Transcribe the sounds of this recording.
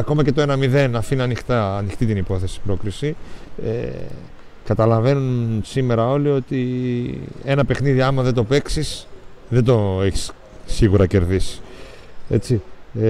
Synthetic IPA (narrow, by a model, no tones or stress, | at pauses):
ɐko̞mɐce̞t̪o̞e̞nɐmiðe̞nɐfiniɐnixt̪ɐːnixt̪it̪inipo̞θe̞si̥pɾo̞kɾisiḛ | kɐt̪ɐlɐve̞nunsime̞ɾɐo̞lio̞t̪i | e̞nɐpe̞xniðiɐmɐðed̪o̞pe̞ksisðed̪o̞eçi̥s | siɣuɾɐce̞ɾðisi̥e̞̰t͡si